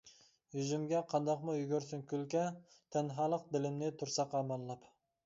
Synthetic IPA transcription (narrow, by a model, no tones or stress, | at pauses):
jyzymɡʲɛqʰɑnd̪ɑqmujyɡʲyɾsyŋkʲylkʲɛ | t̪ʰɛnɦɑːlˠəq̚d̪ɪlɪmnɪt̪ʰuɾsɑqɑmɑlˠːɑp